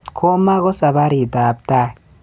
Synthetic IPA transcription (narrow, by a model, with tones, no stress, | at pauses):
kʰo˦ma˦ɣo˦sa˨βa˦ɾi˨ta˨b̚t̪a˦˨